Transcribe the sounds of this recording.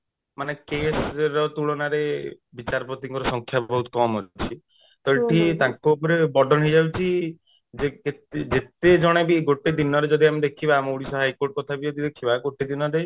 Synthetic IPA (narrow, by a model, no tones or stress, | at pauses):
manekesɾɔt̪uɭɔnaɾe | bit͡ʃaɾpot̪iŋkɔɾɔsɔŋkʰjabɔɦut̪ɔ̥kɔmɦot͡ʃʰi | t̪ɔɭʈʰit̪ãŋkopɔɾebɔɖʱɔnid͡ʒabit͡ʃʰi | d͡ʒeket̪d͡ʒet̪ed͡ʒɔɽ̃ebiɡoʈed̪inɔɾed͡ʒɔd̪iamid̪ekʰibamuɽisɔɦajkoɾʈ̚kɔt̪ʰabiot̪id̪ekʰibaɡoʈed̪inɔɾe